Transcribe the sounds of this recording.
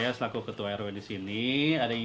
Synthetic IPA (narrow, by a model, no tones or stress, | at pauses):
jasəlakukət̪uajaɾowɛndisiniadai